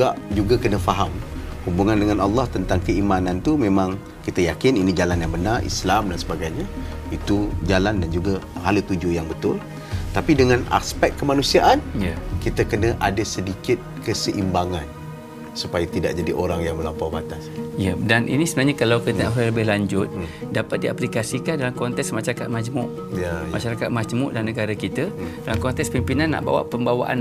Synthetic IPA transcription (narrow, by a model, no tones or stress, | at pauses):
aʔd͡ʒuɡakənəfaɦamhubuŋandəŋanɑlːɑht̪ənt̪aŋkəimanant̪umẽmãŋ | kit̪əjakɪninid͡ʒalanjaŋbənarʔḭslamdansəbaɡajɲait̪ud͡ʒalandand͡ʒuɡahalut̪ud͡ʒujaŋbət̪ʊl | t̪apidəŋãna̰spɛk̚t̪̚kːəmanũsiaʔankit̪əkənəʔadasədikɪt̪̚kəsəʔimbaŋan | supajat̪ida̰ʔ̚d͡ʒadiʔoɾaŋjaŋməlampawbat̪asjadanʔḭnisəbənaɦɲakalawkət̪əafləbɪɦlaɲd͡ʒʊt̪̚dapat̪̚dia̰plikasikandalamkɔnt̪ɛksmaʃaɾakat̪̚mad͡ʒmʊʔ | jmaʃaɾakat̪̚mad͡ʒmʊ̰ʔdalnəɡaɾakit̪ədalamkɔnt̪ɛkspimpinanːa̰ʔba̰wa̰ʔpəmbawa̰ʔa̰n